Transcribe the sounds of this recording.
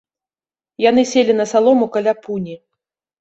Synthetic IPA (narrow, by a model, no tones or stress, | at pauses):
jan̪ɨsʲelʲinɐsalˠɔmukalʲapunʲi